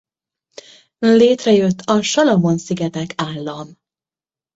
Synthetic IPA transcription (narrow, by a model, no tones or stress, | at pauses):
leːt̪rɛjøt̪ʰːɒʃɒlɒmonsiɡɛt̪ɛkʰaːlːɒm